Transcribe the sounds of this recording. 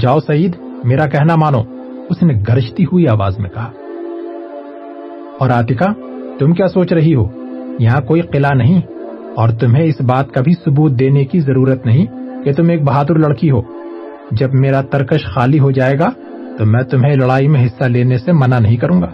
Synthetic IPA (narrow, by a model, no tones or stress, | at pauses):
d͡ʒaːosɐiːd̪ | meːɾakɛɦnamaːno | ʊsneɡʱɐɾɪʃt̪iɦuiaːʋaːzmḛ̃kɐɦaː | ɔːɾaːt̪ɪka | t̪ʊmkjaːsoːt͡ʃɾɐɦiɦo̰ːjɐɦãkoːiqɪlanɐɦĩ | ɔːɾt̪ʊmɦẽɪsbaːt̪kabʱisʊbuːt̪̚d̪eːnekizɐɾuːɾət̪nɐɦĩket̪ʊmeːk̚bɐɦaːd̪ʊɾlɐɽkiɦo̰ː | d͡ʒɐbmeːɾat̪ɐɾkəʃxaːliɦod͡ʒaːeːɡa | t̪omɛ̃ːt̪ʊmɦẽlɐɽaːimẽɦɪsːaleːnesemɐnanɐɦĩkɐɾũːŋɡaː